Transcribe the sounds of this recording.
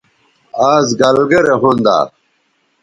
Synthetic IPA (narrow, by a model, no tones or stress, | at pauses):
aːzɡɐlɡeɾeɦund̪a̰ː